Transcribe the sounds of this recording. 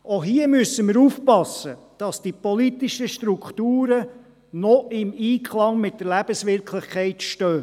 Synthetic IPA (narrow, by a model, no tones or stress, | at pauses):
oɦiəmyəsːəməɾufpɑsə | d̥ɑsd̥ipɔlit̪iʃəʃtɾukχt̪uːɾə | nɔɪmiːkʰχlɑŋmɪt̚dəɾlæb̥əsʋɪɾkʰlɪχkʰɛɪtʃtøː